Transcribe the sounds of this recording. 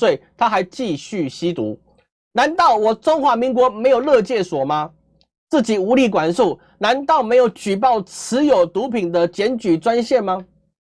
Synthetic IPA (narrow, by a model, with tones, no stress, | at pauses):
we˥˩ɪt̪ʰa˦˥xa˧˥ɪt͡ɕi˥˨ɕy˥˨ɕi˦t̪ṵ˧˥ | na˧˦nt̪ɑ˥˩ʊwɔ˨˩ʈ͡ʂo˥ŋxwa˧˥mi˧˥ŋk̬wɔ˧˥me˧˥ɪjo˨˩ʊlɤ˥˧t͡ɕjɛ˥˩swɔ˨˩ma˨ | t͡sɹ̩˥˩t͡ɕi˨˩u˧˥li˥˩kwa˨˩nʂu˥˩ʊ | na˧˦nt̪ɑ˥˩ʊme˧˥ɪjo˨˩ʊt͡ɕy˨˩p̬ɑ˥˩ʊt͡s̩ʰ˧˦jo˨˩ʊt̪u˧˥pʰi˨˩ŋd̪ə˦t͡ɕjɛ˧˦˥nt͡ɕy˨˩t͡swa˦nɕjɛ˥˨nma˧